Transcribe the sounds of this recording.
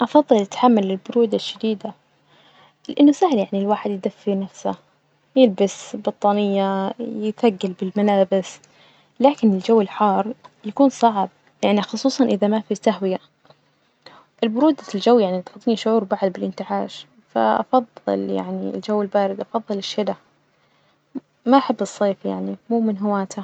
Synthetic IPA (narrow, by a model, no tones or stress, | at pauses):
ʔɑfɑðˤːɨlɪt̪ħamːalɪlbʊɾuːd̪aʃːad̪iːd̪a | lɪʔɪnːʊsahljaʕnilwaːħɪd̪jɪd̪afːinafsa̰ | jɪlbɪsbɑt̪ˤːɑːnɪjːajɪtaɡːalbɪlmalaːbɪs | laːkɪnɪld͡ʒawːɪlħɑːrˤjakuːnsˤɑʕb̚ | jaʕnixʊsˤuːsˤɑnʔɪðamafisaɦwɪja | ʔɪlbʊɾuːd̪ald͡ʒawːjaʕnit̪ɑt̪ˤːniʃʊʕuːɾbaʕd̪bɪlʔɪnt̪ɪʕaːʃ | fa̰ʔɑ̰fɑðˤːɨ̰lja̰ʕnḭɪ̰ld͡ʒawːɪlbaːɾɪd̪ʔɑfɑðˤːɨlɪʃːɪd̪a | maʔaħabːɨsˤːeːfjaʕnimuːmɪnɦʊwaːt̪ʰa